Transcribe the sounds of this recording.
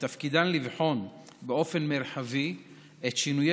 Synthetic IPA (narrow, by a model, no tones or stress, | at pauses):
t̪afkid̪anlivħo̞nbeo̞fe̞nmeɾħavi | ʔet̪ʃinuj